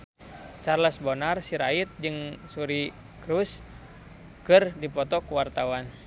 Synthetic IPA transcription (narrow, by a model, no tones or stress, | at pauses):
t͡ʃarləsbɔnarsiɾait̪̚d͡ʒɨŋsuɾi | kɾus | kɨrdipɔt̪ɔkuwart̪awan